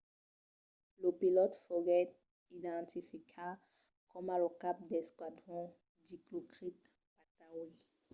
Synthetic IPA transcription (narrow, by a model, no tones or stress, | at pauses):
ləpilɔt̪fɔʁɛt̪ | id̪ɑ̃t̪ifikʰa | kʰɔmalɔkap̚d̪ɛskwad̪ʁɔ̃ | diklokʁit̪̚ | pat̪awi